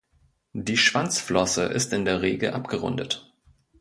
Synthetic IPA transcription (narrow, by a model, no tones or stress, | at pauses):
d̥iːʃv̥ant͡sflɔsəʔɪ̰stɪndeːɐʁ̞eːɡl̩ʔapɡ̥əʁʊ̰ndət